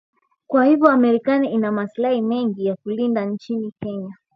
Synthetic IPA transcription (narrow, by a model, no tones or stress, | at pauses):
kwahivjɔamɛɾikaniinamaslahimɛŋɡijakulindant͡ʃinikɛɲa